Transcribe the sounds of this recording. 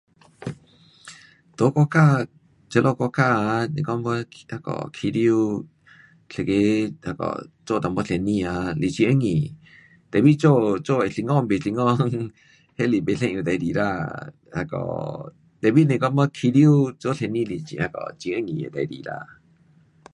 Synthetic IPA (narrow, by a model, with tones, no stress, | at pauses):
t̪o˨˦kɔ˧ka˧˨ | t͡ʃə˧lʔo˦˧˨kɔ˧ka˦˧˨nḛ̃˧˨kɔ˦mbə˦ha˧˨kɔ̰˨kʰi˧ɾju˦˧ | ɬe˧˨ke˧ha˧˨kɔ̰˨t͡ʃo˦˨t̪a˨mbə˦ɬe˧˨nĩ˧a˧li˧˨t͡ʃi˧ʔə˦ŋĩ˨ | t̪ɛ˨bi˦t͡ʃo˦˨t͡ʃo˦˨e˨ɬi˧˨ŋɔ̃˦˧˨be˨ɬi˧ŋɔ̃˦˧ŋ | he˦˨li˨be˧˨ɬẽ˧ʔũ˧˨d̪a˧˨˧di˨ɾa˧˨ | ha˧kɔ̰˨ | t̪ɛ˨bi˦nẽ˧˨kɔ˦mbə˦kʰi˧ɾju˦t͡so˦˨ɬe˧nĩ˦˧˨li˧˨t͡ʃḭ˧˨ha˧kɔ̰˧˨t͡ʃi˧ə˦ŋḭ̃˨˧˨d̪a˧˨jdḭ˨ɾa̰˧˨